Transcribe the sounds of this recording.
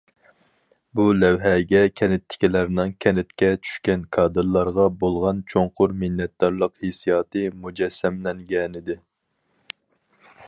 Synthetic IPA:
bulɛwɦɛɡʲɛkʲʰɛnɪt̪ʰːɪ̥kʲilæɾnɨŋkʲʰɛnɪt̪̚kʲɛt͡ʃʰy̥ʃkʲɛnkʰɑːd̪ɨɾlˠɑɾʁɑbolˠʁɑnt͡ʃʰoŋqʰʊɾmɪnːɛt̪̚d̪ɑɾlˠəqhesijɑːt̪ɨmud͡ʒɛsːɛmlɛŋɡʲɛnɪd̪ɪ

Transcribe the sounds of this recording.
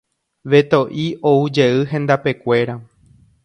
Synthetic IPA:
ʋe̞t̪o̞ʔio̞ud͡ʒe̞ɨɦẽ̞nd̪ape̞kʷe̞ɾa

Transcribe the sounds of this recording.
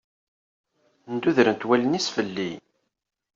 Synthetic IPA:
nd̪uðɾənt̪wælənisfəlːḭ

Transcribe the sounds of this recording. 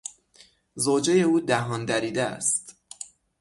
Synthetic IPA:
zoːd͡ʒe̞je̞uːd̪æɦɒːnd̪æɾiːd̪eæ̰st̪

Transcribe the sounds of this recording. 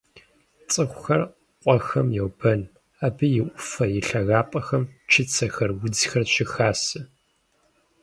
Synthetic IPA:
t͡sʼɨxʷxɐr | qʷʼɔxɐmjɛwbɐn | aːbɨjɪʔʷʊfɐjɪɬɐɣaːpʼɐxɐmt͡ʃʰɪt͡sʰɐxɐrwʊd͡zxɐrɕɪxaːsɨ

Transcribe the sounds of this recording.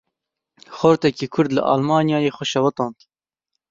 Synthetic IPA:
xoɾt̪ɛkiːkʰʊɾd̪lə̰ʔɑ̰ːlmɑːnjɑːjeːxɔʃɛwɐt̪ɑːnt̪

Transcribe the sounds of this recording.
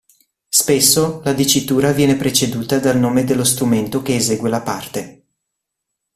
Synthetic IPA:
spesːolad̪it͡ʃːit̪uːɾavjɛːnepɾet͡ʃed̪uːt̪ad̪alnoːmed̪elːost̪ɾument̪okeːzeːɡwelapart̪e

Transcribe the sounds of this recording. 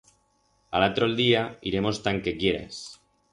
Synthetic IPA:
a̰lat̪ɾoeld̪iaiɾe̞most̪aŋkekje̞ɾḛs

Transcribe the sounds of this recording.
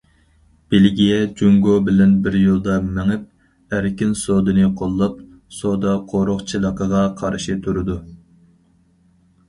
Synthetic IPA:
b̥elɡʲijɛd͡ʒuŋɡobɪlɛnbɪɾjolˠd̪ɑmæŋɪp̚ | æɾkʲɪnsod̪ɨnɨqʰolˠːɑp̚ | sod̪ɑqʰoɾoχt͡ʃʰilˠəqəʁɑqʰɑɾʃit̪ʰuɾɨd̪u

